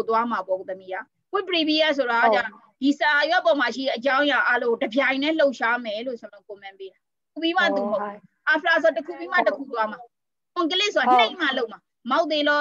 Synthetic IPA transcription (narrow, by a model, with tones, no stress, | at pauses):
t̪wa˦ma˨bɔ˨t̪ə˨mi˦˨ja˨ | kwɪ˦˨pəɹi˨bi˦a˦˨s̬o˨ɾa˨ɡa˦˨t͡ɕã˦˨ | d̥i˨sa˨jwɛ˦pɔ˨ma˨ʃ̬i˦˨ɾɛ˦ʔət͡ɕã˦ʊ̃ja˨ʔa˦lõ˦˨o˨dəbjã˨ɪ̃nɛ̃˦˨lo˦ʊʔʃa˦mɛ˨lo˦˨sja˨n˨o˦˨ko˨mã˨mpe˦ɾa˨ | tu˨bi˦ma̰˦˨t̪u˨mo˦ʊʔpɛ˨ | ʔa˨pʰə˨la˨s̬o˨a˨təkʰu˦˨bi˦ma˦˨təkʰṵ˦˨t̪wa˦ma˨ | kʊ̃˨ŋk̬ə˦lɪ˦ʔso˨a˨n̥ẽ˦ɪ̃ma˨lo˦ʊʔma˨ | ma˦ʊʔt̪e˦lɔ˦